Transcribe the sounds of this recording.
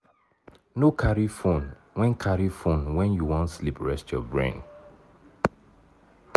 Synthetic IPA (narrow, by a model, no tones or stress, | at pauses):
nokʰaɹifõn | wɛ̃nkʰaɹifõnwɛ̃njuwɔ̃ntslipɹɛstjɔ̰bɹḛ̃n